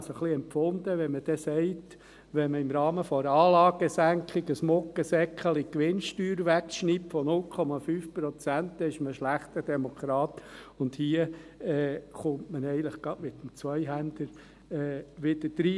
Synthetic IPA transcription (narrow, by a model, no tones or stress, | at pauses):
səχliɛmpfʊnd̪əʋɛnməd̥ɛsɛɪt | ʋɛnməɪmɾɑːməfɔɾɑːlɑːɡ̥əsæŋkχɪɡəsmɔkːəsɛkʰχəlikʋɪnʃtyːɾʋækʃnipfɔnʊlkʰɔmɑfyːfpɾɔt͡sænt̪ɛɪʃməʃlæχt̪əd̥ɛmokʰɾɑːt̪ʊnd̪hiəɛːχʊntmənɛɪənləχɡ̥ɑdmɪt̪ːəm̩t͡sʋœɪɦænd̪əɾ | ɛːʋɪd̥̪əd̥ɾi